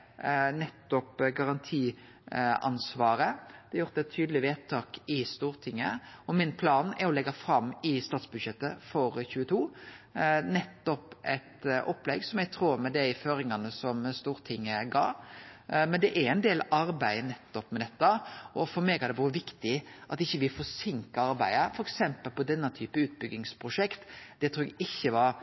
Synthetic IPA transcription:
nɛt̪ːɔpɡɑʁɑnt̪ʰiː | ɑ̰nsʋɑːɾəd̪ɛɑjʊɾt̪ɛt̪ʰːyːd̪əlɪʋeːt̪ʰɑːkɪst̪uːɾt̪ʰɪŋːəɔmɪnpʰlɑːnɛɾɔlɛɡːɑfɾɑmːɪst̪ɑːt̪sbʉd̪ʃɛt̪ːəfɔɾçʉːət̪ʰuː | nɛt̪ːɔpʔɛt̪ʔɔpːlɛɡsɔmjɛɡ̚t̪ʰɾuːɾmɛd̪ɛɪføːɾɪŋɑnəsɔmst̪uːɾt̪ʰɪŋːəɡɑ̰ː | mɛnd̪ɛʔæɾɛɪnd̪eːlɑɾbæɪnɛt̪ːɔpmɛd̪ɛt̪ːəɔfɔɾmeɡhɑɾd̪ɛʋɑːɾəʋɪkt̪ɪʔɑt̪ɪçːəʋɪlfɔsɪŋkɑɑɾbæɪəfɔɾɛksɛmpəlpɔd̪ɛnːət̪ʰyːpəʉːt̪̚bʏɡːɪŋspʰɾʊʂɛkt̪d̪̥ɛt̪ʰɾuːɛɡɪçːəʋɑɾ

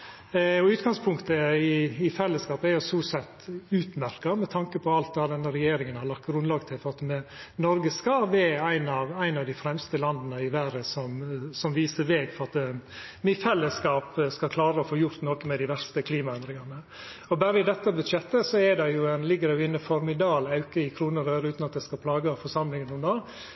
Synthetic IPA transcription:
ɔʉːt̪ɡɑŋspʰʊŋkt̪əɪɪfɛlːəskɑːpəæɾjʊsuːsɛt̪ːʉːt̪mæɾkɑmɛt̪ʰɑŋkəpʰɔɑlt̪d̪ɑːd̪ɛnːəɾɛjeːɾɪŋənhɑɾɭɑk̚t̪ɡɾʉnlɑːɡt̪ʰɪlfɔɾɑt̪mɛnɔɾɡəskɑʋɛːæɪnɑʋæɪnɑʋd̪ɪfɾɛmst̪əlɑnd̪ənəɪʋæɾəsɔmsɔmʋiːsəɾʋeːɡfɔɾɑt̪ | mɪfɛlːəskɑːpskɑkʰlɑːɾəɔfoːjʊɾt̪noːkəmɛd̪ɪʋæɾst̪əkʰliːmɑɛnd̪ɾɪŋɑnə | ɔbæːɾəɪd̪ɛt̪ːəbʉd̪ʃɛt̪ːəsɔɛd̪ɛjʊæɪnlɪɡːəd̪ɛjʊɪnːəfɔɾmɪd̪ɑːlɑʉkəɪkʰɾuːnəɾøːɾəʉːt̪nɑt̪̚d̪ɛskɑpʰlɑːɡəfɔɾʂɑmlɪŋənɔmnoː

